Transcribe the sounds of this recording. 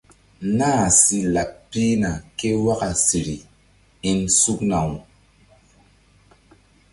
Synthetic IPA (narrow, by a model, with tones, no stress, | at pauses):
naː˦˨si˦la˨k̚pi˦na˨ke˦wa˦ka˨si˨ɾi˨ | i˦nsu˦k̚na˨wu˨